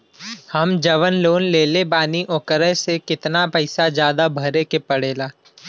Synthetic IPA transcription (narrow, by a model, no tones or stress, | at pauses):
hɐmd͡ʒɐʋənloːnleːlebaːniʔoːkəɾəsekɪt̪napɐɪsad͡ʒjaːd̪abʱɐɾekepɐɽeːlaː